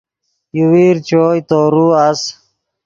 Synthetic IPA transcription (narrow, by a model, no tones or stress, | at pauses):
juwiɾt͡ɕoːjt̪oːɾuas